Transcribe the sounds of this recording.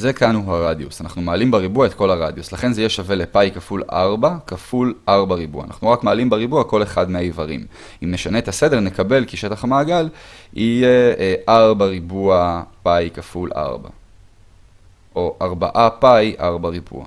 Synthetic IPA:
zekaanuɦaʁadjusanaχnumaːlimbaʁibuaet̪ko̞laʁadjuslaχe̞nzejeʃave̞lepajkafulʔa̰ʁbakafulaʁbaʁibua̰ːna̰χnuʁakmaːlimbeʁibuako̞le̞χadmeaivaʁḭm | imne̞ʃaneːt̪ase̞de̞ʁne̞kabe̞lkiʃe̞taχamaːɡalijeʔaʁbaʁibuapajkafulʔa̰ʁba̰ | ʔo̞ʔaʁbaʔapajʔaʁbaʁibṵa̰

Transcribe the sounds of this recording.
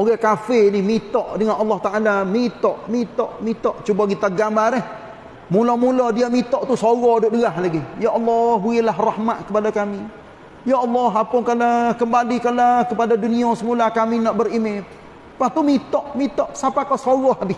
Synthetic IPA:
oɡakafenihmit̪ɔʔdəŋanɑlːɑht̪aʔalamit̪ɔʔmit̪ɔʔmit̪ɔʔt͡ʃubaɡit̪aɡambaɾɛh | mulɔmulɔdiamit̪ɔʔt̪usoɣɔdʊʔdəaɦlaɡijaʔɑlːɔhbuɪlaɦrahmaʔ̪kəpadakami | jaɑlːɔɦapʊnkalakəmbalikalakəpadaduniɔsəmulakaminɔʔbərime | paht̪umit̪ɔʔmit̪ɔʔsapakasoɣɔhabɪ

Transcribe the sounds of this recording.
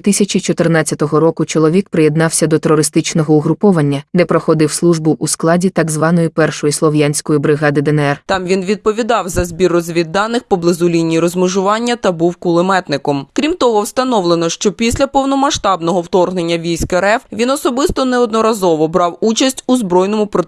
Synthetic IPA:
ʋʲit̪ɪsʲɐt͡ʃit͡ʃɔt̪ɪrnɑt͡sʲːɐt̪ɔɦɔɾɔkʊt͡ʃɔlˠɔʋʲikpɾɪjed̪nɑwsʲɐd̪ɔt̪eɾɔɾɪst̪ɪt͡ʃnɔɦɔʊɦɾʊpɔʋɐnʲːɐd̪ɛpɾɔxɔd̪ɪwslˠuʒbʊʔːsklˠɑdʲit̪ɑɡzʋɑnɔjʊpɛrʃɔjislˠɔʋjanʲsʲkɔjibɾɪɦɑd̪ɪd̪ɛnɛɛrt̪ɑmʋʲinʋʲid̪̚pɔʋʲid̪ɑwzɐzbʲirɔzʲʋʲid̪ːɑnɪxpɔblˠɪzʊlʲinʲijɾɔzmʊʒʊʋɑnʲːɐt̪ɐbuwkʊlˠɪmɛt̪nɪkɔmkɾʲimt̪ɔɦɔwst̪ɐnɔʋlˠenɔʃt͡ʃɔpʲisʲlʲɐpɔwnɔmɐʃt̪ɑbnɔɦɔwt̪ɔrɦnenʲːɐʋʲijsʲkɛɾɛfʋʲinɔsɔbɪst̪ɔnɛɔd̪nɔɾɐzɔʋɔbɾɑwut͡ʃɐsʲtʲuzbɾɔjnɔmʊpɾɔ

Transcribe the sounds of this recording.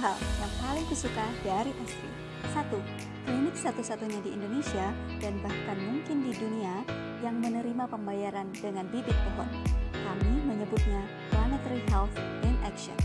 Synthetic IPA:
ɦaljaŋpalɪŋpəsukadaɾiʔɛst̪ɾḭ | sat̪u | klinɪk̚sat̪usat̪uɲadiḭndonesia | danbahkanmuŋkɪndidunia | jaŋmənəɾimapəmbajaɾandəŋanbibɪt̪̚pɔɦɔnkamiməɲəbʊt̪̚ɲa | t̪lanɛt̪əɾiɦɛlθʔɛnɛkʃɔ̰n

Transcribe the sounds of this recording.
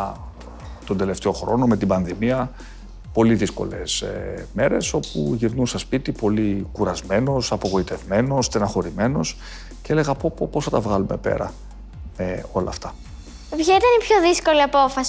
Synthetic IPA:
t̪o̞nd̪e̞le̞ft̪e̞o̞xɾo̞̰no̞me̞t̪ibɐnðimiɐ | po̞liðisko̞̰le̞sme̞ɾe̞so̞pṵʝiɾnusɐspit̪ipo̞likuɾɐzme̞no̞sɐpo̞ɣo̞it̪e̞vme̞no̞st̪enɐxo̞ɾime̞no̞s | cee̞le̞ɣɐpopoposθɐt̪ɐvɣɐlume̞̰pe̞̰ɾɐ̰ | meo̞lɐ̰ːft̪ɐ | pçait̪ɐnipçoðisko̞liɐpo̞fɐs

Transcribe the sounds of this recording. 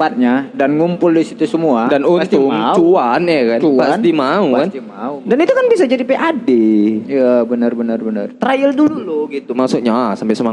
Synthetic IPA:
pat̪̚ɲadanŋumpʊldisit̪usəmuadanunst̪ʊmŋt͡ʃuanjakant͡ʃupaant̪imaukant̪imaudanit̪ukanbisad͡ʒadipeʔadejabənərbənərbənə̰rt̪ɾajəldululuɡit̪umaksukɲasampɪsəmaŋ

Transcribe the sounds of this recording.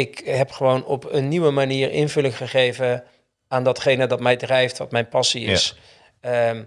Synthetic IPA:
ɪkɦɛpχəʋownɔpənːiwəmaniːɹɪ̰nvɵlɪŋχəχejvə | aːndɑtχejnədɑtmɛjdrɛjftʋɑtmɛjnpɑsiɪs

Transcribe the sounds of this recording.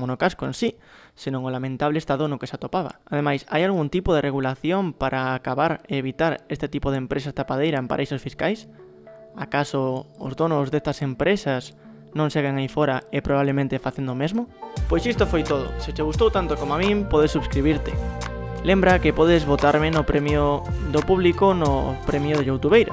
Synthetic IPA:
monokaskoẽnsi | senõŋolamẽnt̪aβ̞lest̪aðonoke̥sat̪opaβa̰aðemajsa̰jalɣunt̪ipoðereɣ̞ulaθjompaɾʔaːkaβaɾeːβit̪aɾest̪et̪ipoðempɾʔesast̪apað̞ejɾaempa̰ɾejsosfiskajs | akasoʊ̰zðonozðest̪ɐsempɾesas | nõŋseɣeŋajfoɾaɪpɾoβaβlemẽnt̪efaθend̪omezmopojsist̪ofojt̪oð̞ʊ̰sɪt͡ʃeɣust̪owt̪ant̪okomoamĩŋpɔðesuβskɾiβ̞iɾt̪ɪlembɾakɪpɔðɪzβot̪aɾmɪnʊpɾemjoðopuβ̞likonʊpɾemjoðeʎowt̪uβejɾa

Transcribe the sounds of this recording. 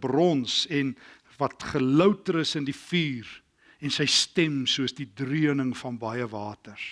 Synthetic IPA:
brɔnsɛn | vɐtχələwtəɾəsəndifiːr | ɛnsəjstɛmsuəsdidryənəŋfɐnbɐjəvɑːtər

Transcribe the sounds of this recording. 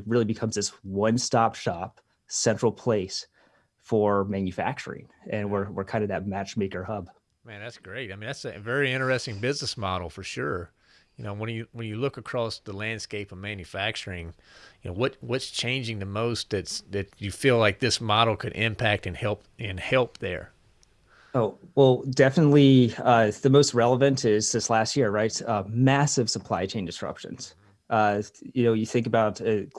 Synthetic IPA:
t̚ɹɪlˠibɨkʰʌ̃mzðɪswʌ̃nstɑpʃɑp̚ | sɛ̃nt͡ʃɹ̥l̩ˠpʰl̥eɪs | fə˞mæ̃njɨfæ̰k̚t͡ʃə̰˞ɪ̰̃ŋ | ɨ̃nwɪɹwɪ̰ɹkʰãɪ̃ndɨðɨt̚mæt͡ʃmeɪkə˞hʌb̥ | mæ̃nðætsɡ̥ɹeɪtaɪmĩnðætsɨvɛɹiɪ̃ɾ̃ə˞ɨstɪ̃ŋbɪznəsmɑɾl̩ˠfə˞ʃʊɹ | jɨnoʊwə̃njɨwə̃njɨlʊkəkʰɹ̥ɔsðəlæ̃nd̥skeɪpʌvmæ̃njɨfæk̚t͡ʃə˞ɪ̃ŋ | jɨnoʊwʌt̚wʌtst͡ʃʰẽɪ̃nd͡ʒɪ̃ŋðɨmoʊst̪̚ðɨtsðɨt͡ʃɨfilaɪk̚ðɪsmɑɾl̩ˠkʰɨɾʔɪ̃mpʰæk̚tɨ̃nhɛlˠp̚ | ɨ̃nhɛlˠp̚ðə̰˞ | oʊwɛlˠdɛfənətˡliʌðɨmoʊst̚ɹɛlˠəvɨ̃ntɪz̥sɪ̃nslæst̚jɪɹɹaɪtsʌmæsɨv̥səpʰl̥a̰ɪt͡ʃʰẽɪ̃ndɨsɹ̥ʌ̰pʃɨ̰̃nz̥ | ʔʌjɨnoʊjɨθɪ̃ŋkəbaʊtɨ

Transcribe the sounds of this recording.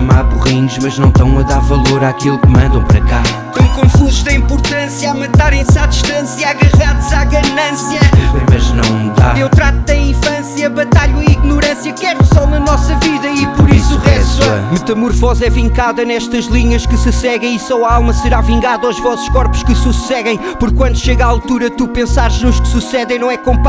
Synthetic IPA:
ɐmaβuʁiɲuʃmɐʒnɐ̃w̃t̪ɐ̃w̃ɐðaɾvɐlˠoɾakilˠukɨmɐ̃nd̪ɐ̃w̃pɐɾɐ̰ka | t̪ɐ̃j̃kõfuzuʒðɐĩmpuɾt̪ɐ̃sjɐamɐt̪aɾẽj̃saðiʃt̪ɐ̃sjɐaɣɐʁaðuzaɣɐnɐ̃sjɐmɐ̰ʒnɐ̰̃w̃d̪a̰ewt̪ɾat̪ut̪ɐ̃j̃ĩfɐ̃sjɐβɐt̪aʎuiiɣnuɾɐ̃sjɐkɛɾsɔnɐnɔsɐviðɐipɔɾisuʁɛt̪ɛ̰mɨt̪ɐmuɾfɔzɛvĩŋkaðɐnɛʃt̪ɐʒlˠiɲɐʃkɨsɨsɛɣɐ̃j̃isɔwɐalˠmɐsɨɾavĩŋɡaðɔwʒvɔsu̥ʃkɔɾpu̥ʃkɨsusɛɣɐ̃j̃ | pɔɾkːwɐ̃nd̪uʃeɣaːlˠt̪uɾɐt̪upẽsaɾʒnuʃkɨ̥susɛðẽj̃nɐ̃w̃ɛɛkõmp

